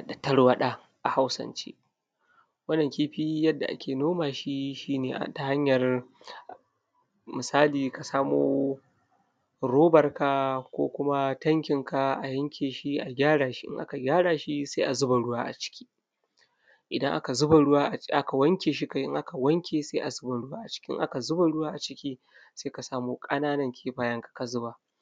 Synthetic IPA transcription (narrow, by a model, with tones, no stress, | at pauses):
dɐ˨tɐ˦ɽwɐ˦ɗa˦ | ʔa˨ha˦wsɐ̰˦nt͡ʃḛ˦ | wɐ˦nːɐ˨ŋkʲi˦ɸi˦jɐ˦dːa˨ʔa̰˦kʲʰeː˨noː˦maː˨ʃi˦ʃiː˦neː˨ʔa̰˨ta˦ha˦ɲjɐ˨r | mɪ˨saː˦liː˨ka˨saː˦moː˦ | ɾoː˦bɐ˨rka˦kʷo̰ː˦kʷʊ˦ma˦tɐ˦ŋkʲɪ˨ŋka˨ʔa˨jɐ˦ŋkʲʰeː˨ʃi˦ʔa˨ɡʲaː˦ɽaː˨ʃi˦ʔɪ̰˦ŋʔa̰˦ka˨ɡʲaː˦ɽaː˨ʃi˦seː˦ʔa˨zʊ˦ba˨ɽʊ˦waː˦ʔa̰˨t͡ʃɪ̥˦kʲi̥ː˦ | ʔɪ˨dɐ˦ŋʔa̰˦ka˨zʊ˦ba˨ɽʊ˦waː˦ʔʔa˦ka˨wɐ˦ŋkʲeː˨ʃ̬i˦ka˨˦jʔɪ̰˦ŋʔa˦ka˨wɐ˦ŋkʲʰeː˨se˦ʔa˨zʊ˦ba˨ɽʊ˦waː˦ʔa˨t͡ʃɪ̥˦kʲi˦ŋʔa̰˦ka˨zʊ˦ba˨ɽʊ˦waː˦ʔa˨t͡ʃɪ˦kʲiː˦ | seː˦ka˨saː˦moː˦kʼɐ˦naː˦nɐ˨ŋkʲʰeː˦ɸaː˦jɐ˦ŋkḁ˨ka˨zʊ˦ba˨